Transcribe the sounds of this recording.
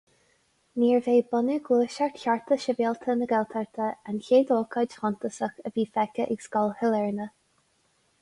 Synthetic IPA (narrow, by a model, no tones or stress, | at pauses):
niːɹveːbɔnəɡwuːʃaɹtçʲaɹt̪ʰəʃəvɛlt̪ʰənəɡɛlt̪ʰəɹt̪ʰəançeːd̪ɔːkʰɑd͡ʒhɔnt̪əsəxəviːfɛkəʔɪɡsɡ̥ɔlhɪlɛɹnə